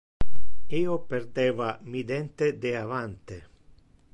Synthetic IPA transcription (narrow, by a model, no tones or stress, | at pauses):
iːopeɾd̪ɛːvamid̪ɛnt̪ed̪eavant̪e